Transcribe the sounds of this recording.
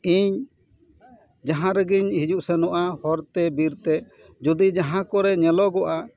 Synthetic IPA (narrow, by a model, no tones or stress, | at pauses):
iɲ | d͡ʒaɦãɾɛɡiɲhid͡ʒuʔsɛnɔʔahɔɾt̪ɛbiɾt̪ɛ | d͡ʒud̪id͡ʒaɦãkɔɾɛɲɛlɔɡɔʔa